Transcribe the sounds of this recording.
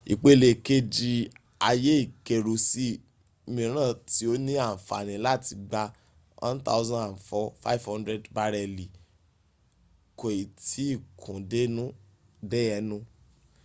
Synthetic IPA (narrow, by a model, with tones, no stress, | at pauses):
ḭ˨k͡pe˧le˨ke˦d͡ʒi˧ | a˧je˦i˦˨ke˨ɾo˨si˦ | mĩ˧ɾ̃ã˦˨ti˨˦o˦nĩ˦a˦˨fa̰˨nĩ˨la˦˨ti˧ɡ͡ba˧ | wʔã̰˦n˦ta̰˦ʊ˦zã˦a˨n̩˨fɔ˦fa̰˦i˦˨vhɔ̃˦ndɾɛ˦dba˧ɾɛ˧˨li˨ | ko˨i˨tʰi˨˦i˦˨kʰũ˨de˦nũ˦ | dɛ˦ɛ˧˦nũ˧˦